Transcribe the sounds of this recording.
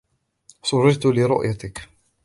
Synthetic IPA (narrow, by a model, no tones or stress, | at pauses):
sˤʊrˤːɪd͡ʒt̪ʊlɪɾʊ̰ʔjat̪ɪk